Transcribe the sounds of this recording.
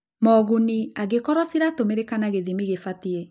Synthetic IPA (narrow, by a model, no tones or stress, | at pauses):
mɔɣuniaɡekɔɾɔsiɾatomeɾekanaɣeðimiɣefatie